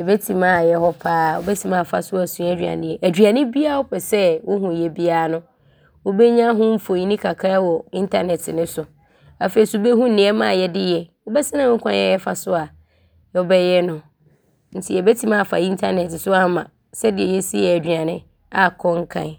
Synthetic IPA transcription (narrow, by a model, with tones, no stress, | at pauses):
ɛ˨be˦tʰĩ˨mã˦˨jɛ˦hɔ˦pʰaː˦o̰˦bɛ˦tʰĩ˨mã˦˨fa˨sʊ˦a˨sũ˨˦æ˦d͡ʑᶣã̰˨nɪ̃˦jɛ˦˨ʔæ˨d͡ʑᶣɥa˨nɪ̃˦bi˦a˦ɔ˦pʰɛ˨sɛ˦wʊ˦ɦũ˨jɛ˦bi˦a˦˨nʊ̃˦ | wo˦be˦ɲã˦ɦʊ̃˦m̩˦fo˨i˨˦nĩ˦kʰa˨kʰa˦wɔ˨ɪ̃˦ntʰa˦nɛ˨tʰɪ˨nʊ̃˦sʊ˨ | a˨fe˨i˨su˨˦be˦ɦũ˦n̩˨nɪ̃˦ɛ˦mã˦˨jɛ˦dɪ˦jɛ˨wo˦bɛ˦sɪ̃˦nã˦kʷʰã˦jɛ˦ɛ˦fa˨sʊ˦a˨ | jɛ˦bɛ˦jɛ˦nʊ̃˨ | n̩˦tʰɪ˦ɛ˨be˦tʰĩ˦mã˦a˨fa̰˨ĩ˦n˦tʰa˦nɛ˨tɪ˨sʊ˦a˦mã˨ | sɛ˦dɪ˨ɛ˨jɛ˦si˦ɛ˨æ˨d͡ʑᶣa˨nɪ̃˦ | a˨kʰɔ˦ŋ̩˦kʰã̰˦˨n˨